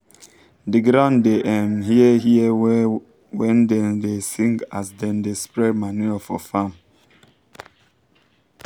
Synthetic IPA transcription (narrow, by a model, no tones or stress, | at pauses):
diɡɾãʊ̃ndeʔɛmhiɛɦiɛ | wɛ̃ndɛndesĩŋɡasdɛ̃ndespɹɛdmanuafɔ̰fam